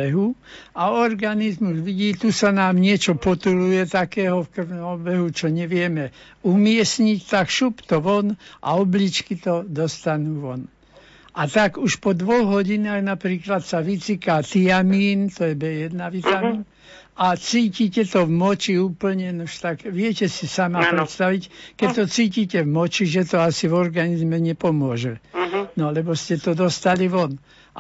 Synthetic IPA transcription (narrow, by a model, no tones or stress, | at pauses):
ɛɦuaɔɾɡanizmuzʋiɟiːt̪usanaːmɲɪɛt͡ʃɔpɔt̪ulujɛt̪akɛːɦɔfkr̩ʋnɔmbɛɦut͡ʃɔɲɛʋɪɛmɛ | umɪɛsɲict̪akʃupt̪ɔʋɔnʔa̰ɔblit͡ʃkit̪ɔd̪ɔst̪anuːʋɔn | ʔat̪aɡuʃpɔd̪ʋɔɣɦɔɟinaːɣnapɾiːklat̪saʋit͡sikaːt̪iamiːnt̪ɔjɛbɛjɛd̪naʋit̪amiːn | at͡siːcicɛt̪ɔvmɔt͡ʃiuːpl̩ɲɛnuʃt̪aɡʋɪɛcɛsisamapɾɛt̪st̪aʋickɛct̪ɔt͡siːcicɛvmɔt͡ʃiʒɛt̪ɔasivɔɾɡanizmɛɲɛpɔmʊɔʒɛnɔlɛbɔscɛt̪ɔd̪ɔst̪aliʋɔn